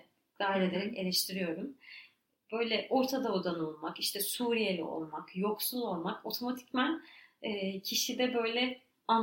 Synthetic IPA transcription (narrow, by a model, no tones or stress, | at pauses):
d̪̥ajɾed̪eɾime̞lʲɛʃt̪ʰiɾijo̞ɾum | b̥ø̞jlʲɛʔo̞ɾt̪ʰad̪aud̪anolˠmakiʃt̪ʰɛsuɾijejlʲɛ̰o̞̰lˠmakjo̞ksulˠo̞lˠmako̞t̪ʰo̞mat̪ʰi̥cmænɛːcʰiʃid̪ɛbø̞jlʲɛ | an